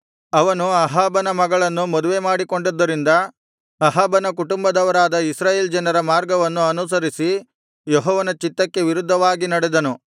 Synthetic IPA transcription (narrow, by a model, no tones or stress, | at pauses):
ɐʋɐnuɐɦaːbɐnɐmɐɡɐɭɐnːumɔd̪uʋe̞maːɽiko̞ɳɖod̪ːɐɾind̪ɐː | ɦaːbɐnɐkuʈumbɐd̪ɐʋɐɾaːd̪ɐisɾaːjeːld͡ʒɐnɐɾɐmaːɾɡɐʋɐnːuɐnus̬ɐɾisi | jɔɦɔːʋɐnɐt͡ʃit̪ːɐkːe̞ʋiɾud̪ʱːɐʋaːɡinɐɽɛd̪ɐnu